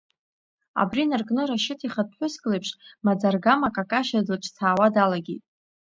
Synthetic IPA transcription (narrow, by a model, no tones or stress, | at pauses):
a̰brinarkʼnɨɾaʃɪtʰiχat̚ħʷʊskʼlepʰʂmad͡zarɡamakʼakʼaʃadɨlt͡ʃʰʼt͡sʰaːwadalaɡʲḛtʼ